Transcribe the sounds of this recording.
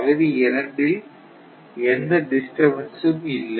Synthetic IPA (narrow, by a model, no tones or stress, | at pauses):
ɐðɐʋiɛɾɐɳɖɪl | ɛnd̪ɐɖɪsʈɐɾʋɐnsɯmɪlːɐ